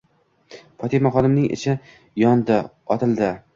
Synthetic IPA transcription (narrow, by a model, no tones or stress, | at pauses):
pʰɒt̪ʰimɒχɒlɪmnɪŋʔɪ̰t͡ʃʰɪ | jɒnd̪ɪ | ɒt̪ʰɪlˠd̪ɪ